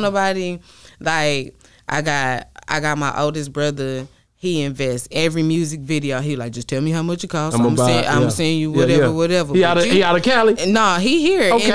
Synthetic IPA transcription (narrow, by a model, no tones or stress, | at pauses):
nobɑɾilaɪk | ʔa̰ɪɡɑtʔa̰ɪɡɑt̚maɪʔo̰ʊlˠdɨsb̥ɹʌðə˞ | hiɪ̃ɱvɛstsɛvɹimjʉzɨkvɪɾioʊɦilaɪk̚ʒ̥ʌstʰɛlˠmiɦaʊmʌt͡ʃɨkʰɔz̃mʌsẽã̰ɪ̃mwʌseɪɪ̃ŋjɨwwʌɾɛvə˞wʌɾɛvə˞iɾiəɾɨkʰælˠinoʊɦiɦiɹo